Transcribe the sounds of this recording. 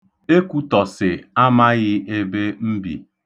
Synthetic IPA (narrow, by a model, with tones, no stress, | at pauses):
e˦kʷu˦tɔ˨sɪ˨a˦ma˦ɣɪ˦e˦be˦m̩˦bḭ˨